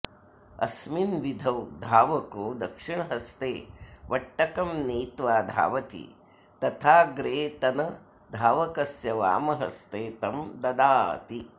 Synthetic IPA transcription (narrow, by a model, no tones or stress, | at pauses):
ɐ̰sminʋid̪ʱɐwd̪ʱaːʋɐkoːd̪ɐkʂiɳɐɦɐst̪eːʋʔɐʈːɐkɐmniːt̪ʋaːd̪ʱa̰ːʋɐt̪ḭ | t̪ɐt̪ʰaːɡɾeːt̪ɐnɐ | d̪ʱaːʋɐkɐsjɐʋa̰ːmɐɦɐ̰st̪eːt̪ɐmd̪ɐd̪aːɐ̰t̪i